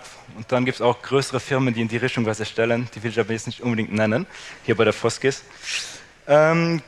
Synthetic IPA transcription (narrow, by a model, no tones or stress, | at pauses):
ʊnt̚d̥anɡiːp̚tsaʊxɡ̥ʁøːsəʁəfɪʁməndiːɪndiːʁɪçtʊŋvazɐʃtɛlənd̥iːvɪlɪçaːbɐjɛt͡snɪçtʔʊnbədɪŋktnɛnənhiːɐbaɪdeːɐfɔskɪs | ʔɛːm